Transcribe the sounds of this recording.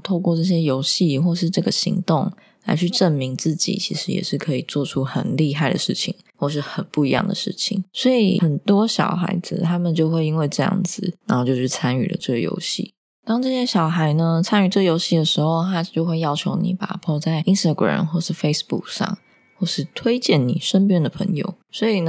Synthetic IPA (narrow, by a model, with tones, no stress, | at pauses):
t̪ʰo˥˧ʊkwɔ˥˧ʈ͡ʂɤ˥˩ɕ̬jɛ˥jo˧˥ʊɕi˥˨xwɔ˥˧ʂɻ̩˥˧ʈ͡ʂɤ˥˩ɡə˩ɕḭ˧˥ŋt̪ʊ˥˩ŋ | la˧˥ɪt͡ɕʰy˥˧ʈ͡ʂə˥˩nmi˧˥ŋt͡sɹ̩˥˩t͡ɕḭ˨˩t͡ɕʰḭ˧˥ʂɻ̩˧˥jɛ̰˨˩ʂɻ̩˥˩kʰɤ˧˥i˨˩t͡swɔ˥˩ʈ͡ʂʰu˥xə˨˩nli˥˧ɦa˥˩ɪd̪ə̰˩ʂɻ̩˥˩t͡ɕʰḭ˨˩ŋ | xwɔ˥˧ʂ̬ɻ̩˥˩xə˨˩npu˥˩i˧˥jɑ̰˥˩ŋd̪ə̰˨˩ʂɻ̩̰˥˩t͡ɕʰḭ˨˩˦ŋswɔ˧˥ḭ˨˩xə˨˩nt̪wɔ˥ɕjɑ̰˨˩ʊxa̰˧˥ɪd͡zɹ̩˧t̪ʰa˥mə˨nt͡ɕjo˥˧ʊxwe˥ɪi˥nwe˥˧ɪʈ͡ʂɤ˥˧jɑ̰˥˩ŋd͡zɹ̩˨˩na˨˧˥nxo˥˧t͡ɕo˥˧ʊɕɻ̩˥˩t͡sʰa˥ny̰˨˩lə̰˩ʈ͡ʂə˥˩jo̰˧˥ʊɕḭ˥˩ | t̪ɑ˥ŋʈ͡ʂɤ˥˩ɕjɛ˥ɕjɑ˨˩ʊxa˧˥ɪnə˧t͡sʰa˥ny˨˩ʈ͡ʂjo˧˥ʊɕi˥˩d̪ə˩ʂɻ̩˧˥xo˥˧ʊt̪ʰa˥t͡ɕjo˥˧ʊxwe˥˧ɪjɑ˥ʊt͡ɕʰjo˧˥ʊnḭ˨˩˦pa̰˨˩pʰɔ˥˧t͡sa˥˩ɪi˥nst̪a˧˩ɡɹa̰˨˩mxwɔ˥˧ʂɻ̩˥˩fe˥ɪsbṵ˥˩k̚ʂɑ̰˥˩ŋ | xwɔ˥˧ʂɻ̩˥˩t̪ʰwe˥ɪt͡ɕjɛ˥˩nni˨˩ʂə˥np̬jɛ˥nd̪ə˨pʰə˧˥ŋjo̰˧˩ʊswɔ˧˥i˨˩nə˦